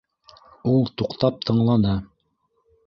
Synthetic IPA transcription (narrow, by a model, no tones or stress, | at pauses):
ulˠt̪uqt̪ɑp̚t̪ʰɤ̆ɴlˠɑnɤ